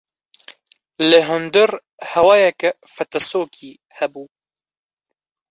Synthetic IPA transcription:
lɨɦʊnd̪ɨɾ | hɛwɑːjɛkɛ | fɛt̪ɐsoːkʰiː | hɛbuː

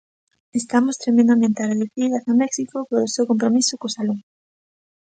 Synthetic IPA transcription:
est̪amost̪ɾemẽnd̪amẽnt̪eareðuθiðasamɛksikopoɾosewkompɾomisokosalu

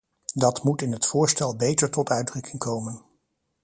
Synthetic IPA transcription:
dɑtmutɪnətfʊːɹstɛlˠbejtəɹtɔtœɥdrɵkɪŋkʰowmən

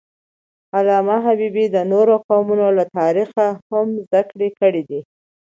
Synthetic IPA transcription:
alɑmaɦabibid̪ənoɾoqawmunolat̪ɑɾixahamzd̪akɽekəɽid̪i

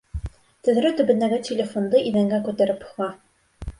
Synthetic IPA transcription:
t̪ɵ̆ðɾɵt̪ɵ̆bɘ̆nd̪æɡɘtʲɪlʲɪfond̪ɤʔiðæŋɡækʉt̪æɾɘph̆ʁɑ

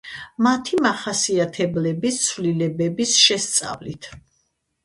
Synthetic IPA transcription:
mat̪ʰimaχasiat̪ʰɛblɛbist̪sʰvlilɛbɛbisʃɛst̪sʼa̰vlit̪ʰ

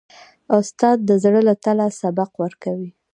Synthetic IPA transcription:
ʊst̪ɑd̪̚ːəzɽəlat̪alasabaqwəɾkawi

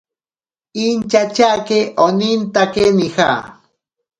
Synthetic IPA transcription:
int͡ʃat͡ʃakeʔonint̪akenixa̰

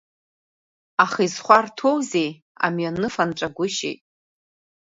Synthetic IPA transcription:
aχizχʷartʰowzej | a̰mjanɨfanʈ͡ʂʷʼaɡʷʊʃḛjtʼ

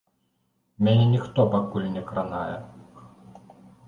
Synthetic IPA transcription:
mʲɛnʲɛnʲixt̪ɔpakulʲnʲɛkɾanajɛ

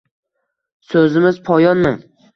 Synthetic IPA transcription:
sɵzɪmɪzpʰɒjɒnmɪŋ

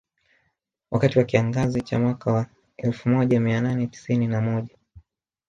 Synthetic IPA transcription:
wʔakatiwakiaŋɡazit͡ʃamwakawa | ɛlfumɔʄamiananɛti̥sininamɔʄa

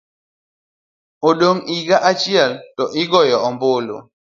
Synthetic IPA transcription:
oɗoŋiɡaʔat͡ʃialtɔʔiɡɔjɔɔmbolo̰

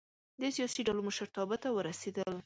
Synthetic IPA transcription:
d̪əsijɑsiɖaloməʃəɾt̪ɑbət̪awəɾased̪əl

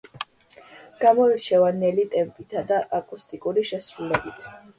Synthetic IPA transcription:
ɡ̥amɔiɾt͡ʃʰɛvanɛlit̪ʼɛmpʼit̪ʰad̪aʔakʼust̪ʼikʼuɾiʃɛsɾulɛbit̪ʰ

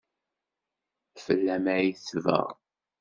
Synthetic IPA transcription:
fəlːæmæjiθvə̰ʁ

